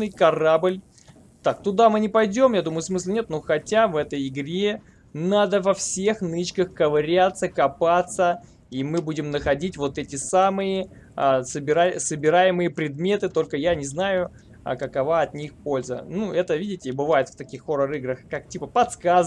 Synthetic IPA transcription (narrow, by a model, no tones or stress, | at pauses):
nɨjkɐrablʲ | t̪ak̚t̪ʊd̪amɨnʲɪpɐjdʲo̞mjad̪uməjʊsmɨslʲɪnʲet̪no̞xɐtʲavɛt̪əjɪɡɾʲe̞ | nad̪əvɐfsʲe̞xnɨt͡ɕkəxkəvɾʲat̪sːəkɐpat̪sə | imɨbudʲɪmnəxɐdʲitʲvo̞t̪ɛtʲɪsamɨjə | səbʲɪɾasəbʲɪɾajɪmɨjəpɾʲɪd̪mʲet̪ɨt̪o̞lʲkəjanʲɪznajʊ̰ | kəkɐvaɐt̪nʲixpo̞lʲzə̰nuɛt̪əvʲidʲɪtʲɪbɨvajɪt̪ft̪ɐkʲixːo̞ɾəɾɨɡɾəxkak̚tʲipəpɐt̪skaz